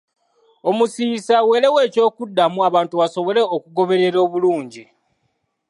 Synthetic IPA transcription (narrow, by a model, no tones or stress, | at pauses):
o̞musiːsawe̞ːle̞we̞ːco̞ːkudːamuaβaːntuβaso̞βo̞le̞okuɡo̞βe̞ɾe̞ɾo̞ːβuluːɲɟi